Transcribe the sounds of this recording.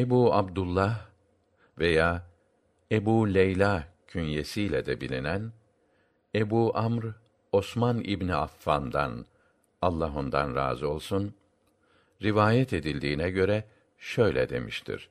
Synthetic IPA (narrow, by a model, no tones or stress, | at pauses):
ebuːabd̪ulˠːah | ve̞jaː | ebuːlʲejlʲacʰynjesijlʲɛd̪ɛbilʲinæn | ebuːʔamɾ | o̞smanḭbniafːand̪a̰n | alˠːaɦond̪a̰nɾa̰ːzɯo̞lˠsun | ɾivaːjɛt̪ʰe̞d̪ilʲd̪iːnɛɟø̞ɾɛ | ʃø̞jlʲɛ̰d̪e̞̰miʃt̪ʰḭɾ̥